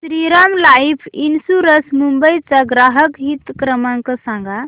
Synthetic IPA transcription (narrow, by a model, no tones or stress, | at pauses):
sɾiɾamlajpʰinsuɾəsmumbəjt͡saɡɾaɦəkɦit̪kɾəmãŋkəsãŋɡa